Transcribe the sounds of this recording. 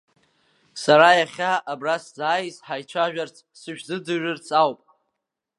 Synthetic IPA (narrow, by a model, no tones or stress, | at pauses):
saɾajaχʲaʔːbraszaːjsħajt͡ʃʷʰaʒᶣart͡sʰsɨʃᶣzɨd͡zɨʒᶣɨrt͡sʰawpʼ